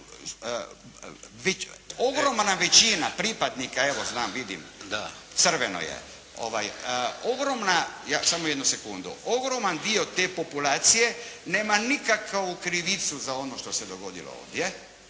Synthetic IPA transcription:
ʋeo̞ɡɾo̞mnaʋet͡ʃinapɾipad̪nikae̞ʋo̞znaːmʋid̪ḭmd̪a | t̪sr̩ʋeno̰jḛ | o̞̰ʋa̰jəo̞ɡɾo̞mnajaːsamoje̞d̪nusekund̪ṵo̞ɡɾo̞mand̪io̞t̪e̞po̞pulaːt̪sije̞ne̞ːmanikakukɾiʋit̪suzao̞noʃt̪o̞sed̪o̞ɡo̞d̪ḭlo̰o̰ːʋd̪je

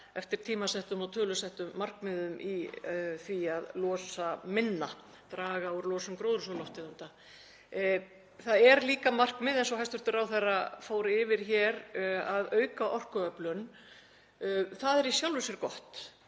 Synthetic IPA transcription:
ɛft̪ɪɾ̥t̪ʰiːmasɛht̪ʏmɔt̪ʰœːlʏsɛht̪ʏmːar̥kmɪðʏmʔiθviaðlɔːsamɪnːa | t̪ɾaːɣauɾlɔːsʏmkɾoːwðɾʏsɔlɔht̪ɪðunt̪a | θaðɛɾliːkamar̥kmɪːðɛnsɔhajst̪ʏɾ̥t̪ʏɾawθɛrːafoːwɾɪvɪɾ̥çɛɾaðœːɥkaʔɔr̥kʏœplʏn | θaðɛɾisjawlvɪsɪɾkɔht̪

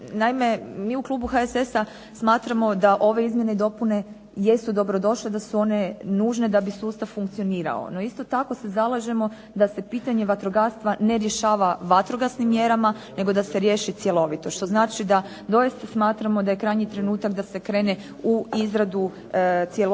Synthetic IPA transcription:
naime̞miːuklˠuːbuxaesesa | smaːt̪ɾamo̞d̪aʔo̞ʋe̞izmjeneid̪o̞pune̞ | je̞sud̪o̞bɾo̞d̪o̞ʃled̪asuo̞ne̞nuːʒne̞d̪abisuːst̪aʋfuŋkt̪sio̞niːɾa̰o̰no̞ist̪o̞t̪ako̞se̞zalˠaʒe̞mo̞ | d̪ase̞piːt̪aɲe̞ʋat̪ɾoɡast̪ʋane̞ɾje̞ʃaːʋaʋat̪ɾoɡasnimːje̞ɾamane̞ɡo̞d̪ase̞ɾje̞ːʃit̪sje̞lo̞ʋit̪o̞ʃt̪o̞znaːt͡ʃid̪a | d̪o̞jist̪asmaːt̪ɾamo̞d̪ajekɾajɲit̪ɾe̞nuːt̪akd̪ase̞kɾe̞ːne̞ | uizɾad̪u | t̪sjel

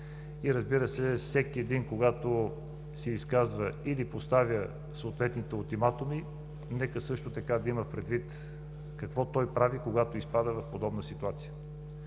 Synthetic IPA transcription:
iɾəzbiɾəsɛfsɛkiɛd̪inkoɡat̪o | sɛiskazvəilipost̪avjə | soːt̪vɛt̪nit̪ɛʊlˠt̪imat̪omi | nɛkəsɤʃt̪ot̪ɐkad̪ɐiməfpɾɛd̪vit̪ | kɐkvɔt̪ɔjpɾavikoɡat̪oispad̪əvɐfpod̪ɔbnəsit̪uat̪sijə

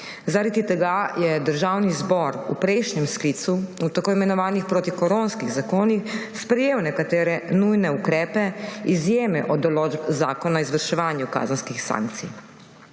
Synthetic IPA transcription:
zaɾad̪it̪ɛɡajɛd̪əɾʒaːwnizbɔɾṵpɾɛʃnɛmsklit̪suut̪akoːimɛnɔʋaːnixpɾoːt̪ikɔɾonskiɣzakoːnixspɾɛjeːwnɛkat̪ɛːɾɛnujnɛukɾɛːpɛizjeːmɛʔɔd̪ɔloːd͡ʒbzaːkɔnaizʋəɾʃɛʋaːnjuka̰ːzənskixsa̰ːŋk̚t̪sḭ

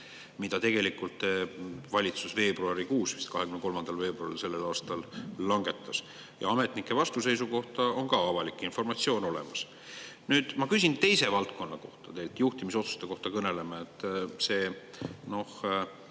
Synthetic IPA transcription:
mid̪̥ɑt̪e̞ɡ̥e̞likˑult̪ːevɑlʲit̪susve̞ːbruɑɾikuːsvist̪̚kɑhekymneko̞lmɑnd̪̥ɑlve̞ːbruɑɾilse̞lːelɑːst̪ɑlːɑŋɡe̞t̪ːˑɑs | jɑ̰ɑmet̪ˑnikːˑe̞vɑst̪use̞jsuko̞ht̪ɑo̞nkɑɑvɑlikːˑinfo̞rmɑt̪sio̞ːno̞lɛ̞̰mɑs | nyːd̪̥mɑkys̬ʲint̪e̞jse̞vɑlt̪̚ko̞nːɑko̞̰ht̪ɑt̪e̞lt̪juht̪imiso̞t̪su̥st̪e̞ko̞ht̪ɑkɤne̞le̞mɑet̪ːˑseːno̞h

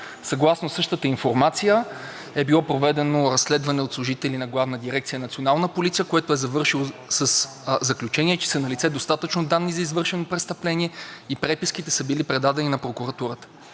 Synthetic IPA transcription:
sɐɡlˠasnosɤʃt̪ət̪əinfoɾmat̪sijə | ɛbilˠɔpɾovɛd̪ɛnoɾɐsːlɛd̪vɐnɛot̪slˠʊʒit̪ɛlinɐɡlˠavnəd̪iɾɛkt̪sijənɐt̪sionalˠnəpolit̪sijəkoɛt̪oɛzɐvɤɾʃilˠosəs | zɐklʲut͡ʃɛniɛt͡ʃɛ̥sənɐlʲit̪sɛd̪ost̪at̪ət͡ʃnod̪anːizɐizvɤɾʃɛnopɾɛt̪st̪ɐplɛniɛipɾɛpiskit̪ɛsəbilipɾɛd̪ad̪ɛninɐpɾokuɾɐt̪uɾət̪ə̥

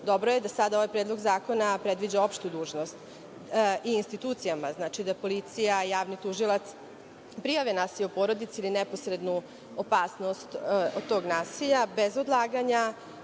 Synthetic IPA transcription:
d̪o̞bɾojed̪asad̪ao̞ʋajpɾeːd̪lˠo̞ɡzaːko̞napɾed̪ʋid͡ʑao̞pʃt̪ud̪uːʒno̞st̪ | iːnst̪it̪uːt̪sijamaznat͡ʃid̪apo̞lit̪sijajaːʋnit̪uʒilˠat̪s | pɾijaʋenaːsiʎupo̞ɾo̞d̪it̪siilinɛpo̞sɾe̞d̪nu | opaːsno̞st̪od̪̚t̪o̞ːɡnaːsiʎabe̞zod̪lˠaːɡaɲa

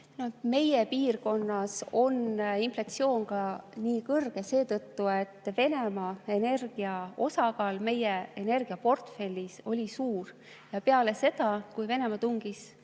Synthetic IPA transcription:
nome̞jepiːrko̞nːɑso̞ninflɑt̪sio̞ːŋɡɑniːkɤrɡ̥e̞se̞ːt̪ɤt̪ːue̞t̪ːve̞ne̞mɑe̞ne̞rɡ̥iɑo̞sɑɡɑːlme̞jeene̞rɡ̥iɑpo̞rt̪fe̞lʲːiso̞lʲisuːr | jɑpe̞ɑle̞se̞d̪̥ɑkujve̞ne̞mɑt̪uŋɡ̥is

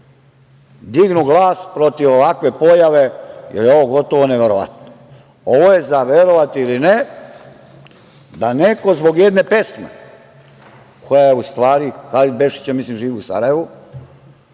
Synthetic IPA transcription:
d̪iɡnuɡlˠaːspɾo̞t̪iʋoʋakʋe̞po̞jaʋe̞jeljeo̞ʋoɡo̞t̪o̞ʋo̞ne̞ʋe̞ɾoʋa̰t̪no | o̞ʋoje̞zaʋjeɾo̞ʋat̪iline | d̪ane̞ko̞zbo̞ɡjed̪ne̞pesmḛ | kʰo̞jajeust̪ʋaːɾixalid̪̚be̞ʃi̥t͡ɕamislimʒiːʋiusa̰ɾaje̞ʋu

